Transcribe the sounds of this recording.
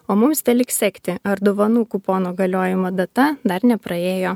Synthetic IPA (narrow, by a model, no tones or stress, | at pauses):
oːmʊmst̪ʲɛlʲɪksʲɛkʲt̪ʲɪɐɾd̪oːʋɐnuːkuːpoːnoːɡɐlʲoːjɪmoːd̪ɐt̪ɐd̪ɐɾnʲɛpɾɐeːjoː